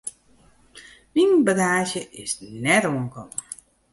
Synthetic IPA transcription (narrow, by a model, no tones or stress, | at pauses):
minbaɡaːʃjəʔɪsnɛtoənkɔm